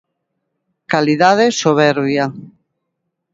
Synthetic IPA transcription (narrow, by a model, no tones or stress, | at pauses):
kaliðaðesoβɛɾβja